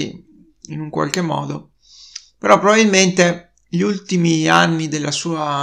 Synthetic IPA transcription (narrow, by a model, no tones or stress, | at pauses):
ḭ | inuŋkwa̰lk̟emːɔ̰ːd̪o | peɾɔpːɾobabilment̪e | ʎiult̪imia̰nːid̪elːasuːa